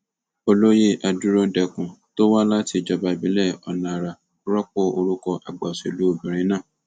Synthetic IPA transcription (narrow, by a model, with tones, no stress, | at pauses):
o˧lo˦je˦˨ʔa˧du˦ɾõ˦dɛ˨kũ˨to˦wa˦la˦ti˧˨d͡ʒɔ˨ba˨bĩ˨˦lɛ˦˨ɔ˨nã˨ɾa˨˦ | ɾɔ˦k͡pɔ˦˨o˧ɾu˦kɔ˧ʔa˨ɡ͡ba˨se˨lu˨˦o˦˨bĩ˨ɾ̃ĩ˨˦nãː˦˨